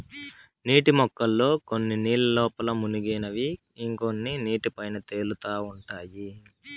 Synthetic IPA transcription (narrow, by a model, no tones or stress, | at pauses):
niːʈimɔkːɐlːo̞ːko̞nːiniːlɐlɔːpɐlɐmunuɡeːnɐʋiː | ŋko̞nːiniːʈipɐjnɐt̪e̞ːlut̪aːuɳʈaːji